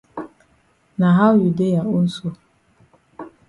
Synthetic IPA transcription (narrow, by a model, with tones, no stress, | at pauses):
na˨ɦa˦ju˨de˦ja˨o˦n̩˦so˦